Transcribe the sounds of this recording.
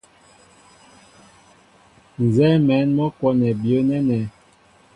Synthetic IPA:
n˨zɛ˦mɛ˨˦nmɔ˦kwɔ˦nɛ˨bjo˨˦nɛ˦nɛ˨˦

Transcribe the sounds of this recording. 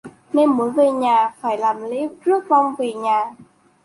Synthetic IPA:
ne˧nmo˨˦jve˨˩ɲaː˨˩faː˧˩jlaː˨˩mlḛ˧˦˥zɨ˦˥ək̚vɔ˧wŋ͡mve˨˩ɲaː˨˩

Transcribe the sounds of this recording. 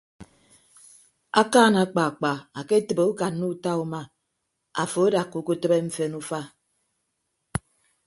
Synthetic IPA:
a˦kaː˦˨na˨˦k͡pa˨k͡pa˨a˨ke˦tə˨be˨u˦ka˨nu˦ta˦u˦ma˦ | a˨fo˨e˦da˨kːu˨ko˦tə˦be˦m̩˦fe˦nu˦fa˦

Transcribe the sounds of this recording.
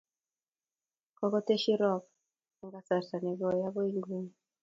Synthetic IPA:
kɔ˦kɔ˦te˦ʃi˦ɾɔ˨k̚ | a˨ŋɡa˦sa˨ɾsa˨nɛ˨ɡɔ˨ja˦ɡɔ˦i˦ŋɡwu˦ni˨

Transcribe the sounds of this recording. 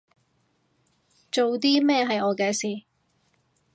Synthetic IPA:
t͡ʃo˨wt̪iː˥mɛː˥˧ɦɐ˨jɔː˨˧kɛː˧siː˨˩

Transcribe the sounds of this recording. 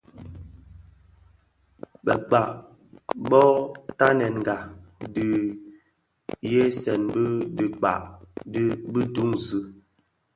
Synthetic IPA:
bə˨k͡pa˨ʔ | bɔ˦ta˦nɛ˨nŋ˨ɡa˨di˨ | je˦sɛ˨nbə˦di˨k͡pa̰˨ʔ | bi˦tu˦ŋzɨ˦

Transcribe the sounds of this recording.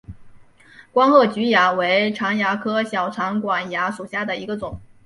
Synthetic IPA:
kwa˥nxɤ˥˩t͡ɕy˧˥ja˧˥we˧˥ɪʈ͡ʂʰɑ˧˥ŋja˧˥kʰɤ˥ɕjɑ˨˩ʊʈ͡ʂʰɑ˧˥ŋkwa˨˩nja˧˥ʂu˨˩ɕja˥˩d̪ə˩i˧˥ɡə˧t͡sʊ˨˩˦ŋ

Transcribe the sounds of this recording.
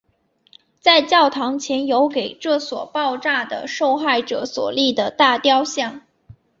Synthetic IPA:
t͡sa˥˧ɪt͡ɕjɑ˥˩ʊt̪ʰɑ˧˥ŋt͡ɕʰjɛ˧˥njo˧˥ʊke˨˩ɪʈ͡ʂɤ˥˩swɔ̰˨˩pɑ˥˧ʊʈ͡ʂa˥˩d̪ə̰˩ʂo˥˧ʊxa˥˩ɪʈ͡ʂɤ̰˧˩˦swɔ̰˨˩li˥˩d̪ə˩t̪a˥˧t̪jɑ˥ʊɕjɑ˥˩ŋ

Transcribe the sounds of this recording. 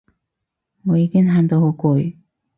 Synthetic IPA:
ŋɔː˨˧jiː˧kɪ˥ŋhaː˧mt̪o˧who˨˧˥wkʊ˨˧j

